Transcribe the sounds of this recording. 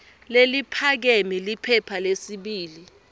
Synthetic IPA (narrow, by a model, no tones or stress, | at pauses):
lelipʰak̬emilipʰɛpʰalesiɓiːli